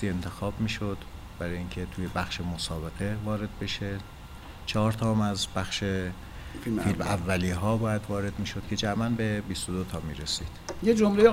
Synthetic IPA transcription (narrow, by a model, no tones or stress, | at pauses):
ie̞nt̪ʰe̞xɒːbmiːʃod̪̥ | b̥æɾɒːjiŋcʰet̪ʰuːje̞bæxʃe̞mosɒːbe̞ɣe̞vɒːɾe̞d̪̚be̞ʃe | t͡ʃʰɒɦɒːɾt̪ʰɒːmæzbæxʃe | filmævːæliːɦɒːbɒːjæd̪vɒːɾe̞d̪miːʃod̪̥cʲʰe̞d͡ʒæmænbe̞bist̪od̪ot̪ʰɒːmḭːɾesḭːd̪̥jed͡ʒomleje